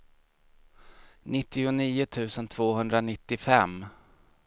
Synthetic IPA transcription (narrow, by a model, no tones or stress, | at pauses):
nɪt̪ːɪʊniːʊt̪ʰʉ̟ːsənt̪ʰv̥oːɦɵnd̪ɾanɪt̪ːɪfɛm